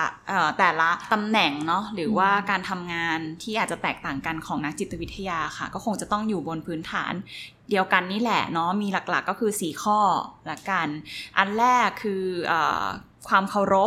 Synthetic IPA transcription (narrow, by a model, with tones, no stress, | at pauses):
ʔəː˨˩t̪ɛː˨˩la˦˥t̪a˧mnɛ˨˩ŋnɔ˦˥ɾɯː˩˦waː˥˩kaː˧nt̪ʰa˧mŋaː˧nt̪ʰiː˥˩ʔaː˨˩t̪̚t͡ɕa˨˩t̪ɛː˨˩k̚t̪aː˨˩ŋka˧nkʰɔː˩˦ŋna˦˥k̚t͡ɕi˨˩t̪ːa˧wi˦˥t̪ʰːa˧jaː˧xa˥˩kɔː˥˩o˧ŋt͡ɕa˨˩t̪ɔ˥˩ŋjuː˨˩bo˧npʰɯː˦˥nt̪ʰa̰ː˩˦n | di˧əwka˧nːiː˦˥˩lɛ̰˨˩nɔ˦˥miː˧la˨˩k̚la̰˨˩kːɔː˥˩kʰɯː˧siː˩˦kʰɔː˥˩lɛ˦˥ka˧nʔa˧nlɛː˥˩kʰːɯː˧ʔɤ̰ː˨˩ | kʰwaː˧mkʰa˨˩wɾo˦˥p̚